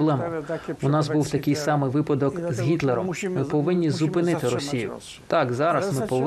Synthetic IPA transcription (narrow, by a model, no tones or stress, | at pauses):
blˠɛmʊʊnɑsbuwt̪ɐkɪjsɑmɪʋɪpɐd̪ɔkzɦʲit̪lˠeɾɔmmɪpɔʋɪnʲːizʊpɪnɪt̪ɪɾɔsʲijʊ̰ | t̪ɑkzɑɾɐsmɪpɔʋ